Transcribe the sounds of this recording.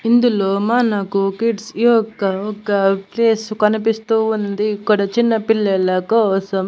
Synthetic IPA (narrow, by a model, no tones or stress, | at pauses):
ind̪uloːmaːnaːkukiʈsiːɔkːɐɔkːɐpleːskɐnipist̪uːund̪ikːɐɽɐt͡ʃinːɐpiɭːɐlɐkɔːsɐm